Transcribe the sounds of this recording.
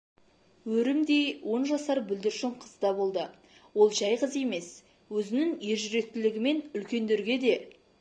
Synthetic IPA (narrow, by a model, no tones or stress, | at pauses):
wɵɾɪmd̪e̞jwʔo̞nʒɑsɑɾbʏld̪ɪɾʃɪɴqʰəzd̪ɑbo̞lˠd̪ə | wo̞lˠʒæjqəze̞me̞s | wɵzɪnɪŋje̞ɾʒʏɾe̞k̚t̪ɪlɪɡʲɪme̞nʏlkʲe̞nd̪eɾɡʲe̞d̪e̞